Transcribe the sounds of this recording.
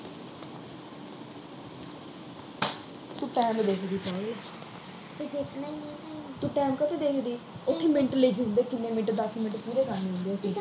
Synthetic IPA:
t̪ũʈɛ̃ːmd̪eːkʰd̪iːpɔ̃ːl | d͡ʒekʰnainĩat̪ũːʈɛːmkət̪eːd̪eːkʰd̪iː | ʊt̪ʰːiːmɪ̃ɳʈəleːd͡ʒɦʊ̃nd̪eːkɪnːẽːmɪɳʈd̪əsmɪnʈpuːɾeːkaːnĩːʊ̃nd̪eːəsĩː

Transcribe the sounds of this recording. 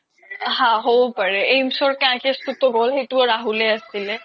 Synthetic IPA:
ɦãɦobɔpaɹɛejmsɔɹkaãkɛstutɔɡɔlɦejtuɔɹaɦulɛasilɛ

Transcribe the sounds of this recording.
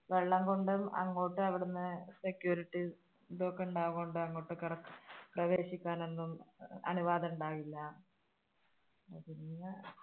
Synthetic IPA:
ʋe̞ɭːɐŋɡo̞ɳɖumɐ̰ŋːoːʈːɨɐʋiɽunːɨsekjuːɾiʈːi | bo̞ːkːuɳɖaːɣuoɳɖɨɐŋːo̞ːʈːɨkirɐkːprɐʋe̞ːɕikʲːaːne̞nːumɐ̰nuʋaːðɐuɳɖaːʋilːɐ | ɐðinːɨ

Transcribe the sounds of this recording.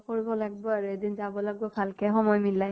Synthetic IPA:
koɹibɔlaɡ̚bɔaɹuedinzabɔlaɡ̚bɔkʰalkɛxɔmɔjmilaj

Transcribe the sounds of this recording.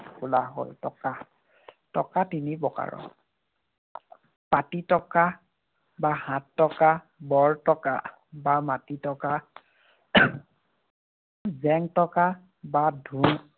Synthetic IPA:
ulaɦo̰ltɔka | tɔkatinibɔka̰ɹɔ̰ | patitɔka | bahãtːɔka | bɔɹtɔka̰ | bamatitɔka | zɛŋtɔka | badʱun

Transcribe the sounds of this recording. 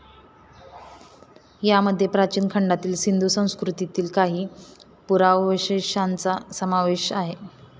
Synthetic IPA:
jaməd̪ʱːjepɾat͡ɕiːnkʰəɳɖat̪iːlsind̪ʱusə̃w̃skɾut̪it̪iːlkaɦiː | puɾaʋʋɕeɕant͡sasəmaʋeɕaɦe

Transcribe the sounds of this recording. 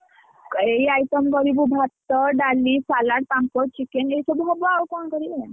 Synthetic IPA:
keiajʈəmkəɾibubʱat̪ːəɖalisalaɽ̚pãŋkɔt͡ɕikenesɔbɦɔbɔawkɔɳkəɾi

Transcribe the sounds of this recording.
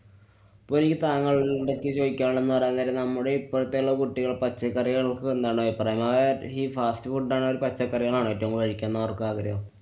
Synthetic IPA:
pːoilikʲːɨt̪aːŋːɐɭiɽekːɨt͡ɕo̞ːikʲːaːɭɳe̞nːɨpɐrɐjnt̪ɐːlenɐmːuɽeipːoɾut̪ːe̞uɭːɐkuʈːiɣɐɭpɐt͡ɕːɐkːɐriɣɐɭkɨend̪aːɳɖoipːɐrɐːjɐmɐɐiːfaːstɨfuʈɖaːɳɨoɾupɐt͡ɕːɐkːɐriɣɐɭaːɳɨɐtːoŋːʋɐɻikʲːaːnːɐʋɐrkɨaːɡɾɐʋɐm

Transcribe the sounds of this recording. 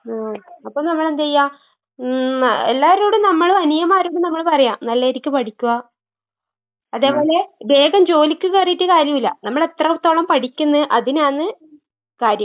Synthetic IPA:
aːɐpːoːnɐmːɐɭe̞nd̪ejːaː | ḛlːaːɾuːɽumnɐmːɐɭɐnijɐmaːɾuːɽunɐmːɐɭpɐrɐjaːmnɐlːeːɾikʲːuɨpɐʈʰikʲːuʋɐ | ɐðe̞ːpo̞ːle̞be̞ːɡɐmd͡ʑo̞ːlikʲːukeːrjiʈːɨkaːɾjɐmilːɐ̰nɐmːɐɭe̞t̪rɐut̪ːoːɭɐmpɐʈʰikʲːunːɐʔɐðinaːɳːɨ | kaːɾjɐm

